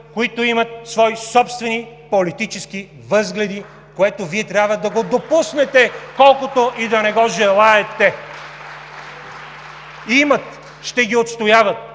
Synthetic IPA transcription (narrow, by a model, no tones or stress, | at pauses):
koit̪oimɐt̪̚svɔisɔpst̪vɛni | polit̪it͡ʃɛski | vɤzɡlɛd̪i | koɛt̪oviɛt̪ɾʲabvəd̪ɐɡod̪opusnɛt̪ɛkɔlˠkot̪oʔid̪ɐnɛɡɔʒɛlˠaɛt̪ɛ | imət̪ | ʃt̪ɛɡʲiot̪st̪ojavət̪̚